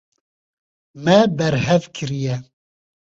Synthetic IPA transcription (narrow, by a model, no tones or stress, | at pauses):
mɛbɛɾhɛvkʰɨɾijɛ